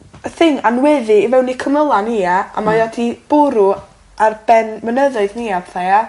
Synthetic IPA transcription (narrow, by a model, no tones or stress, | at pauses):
əθɪŋanwɛðɨːvɛwnikʰəməlˠaniːaa̰majadʰib̥ʊɾu | arb̥ɛnmənəðʊɨðniːabθaja